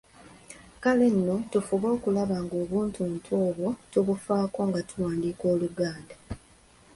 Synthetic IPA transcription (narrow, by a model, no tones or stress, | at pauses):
kale̞nːo̞tufuβo̞ːkulaβaŋɡo̞ːβuːntuntʰwo̞ːβo̞tuβufaːko̞ŋɡatʰuwaːndiːko̞ːluɡaːnda